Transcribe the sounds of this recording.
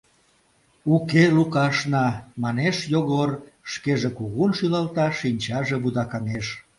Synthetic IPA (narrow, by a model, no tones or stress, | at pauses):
ukelukɑʃnɑmɑneʃjoɣorʃkeʒekuɣunʃylɑlt̪ɑʃinʲt͡ɕɑʒeβud̪ɑkɑneʃ